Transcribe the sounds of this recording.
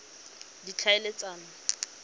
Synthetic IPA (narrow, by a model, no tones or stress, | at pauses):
dit͡ɬʰaɪlet͡sʼaːna